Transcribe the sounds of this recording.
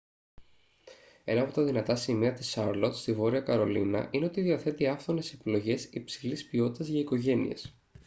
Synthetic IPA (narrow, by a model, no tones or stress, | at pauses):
e̞̰nɐːpo̞t̪ɐðinɐt̪ɐsimiɐt̪isɐɾlo̞t̪st̪ivo̞ɾiɐkɐɾo̞lḭnɐ̰ʔine̞o̞t̪iðiɐθe̞t̪iɐfθo̞ne̞sepilo̞ʝe̞sipsilispio̞t̪i̥t̪ɐzʝɐiko̞ʝe̞nḭe̞̰s